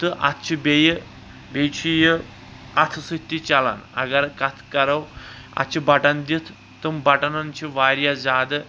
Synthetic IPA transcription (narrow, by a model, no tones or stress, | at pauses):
t̪əʔa̰t̪t͡ɕʰibejə | bejt͡ɕʰijə | at̪ʰsət̪ːit͡ɕala̰na̰ɡaɾkat̪ʰkɐɾaw | a̰t̪t͡ɕibaʈand̪it̪ʰː | əmbaʈanant͡ɕiʋaɾjad͡zad̪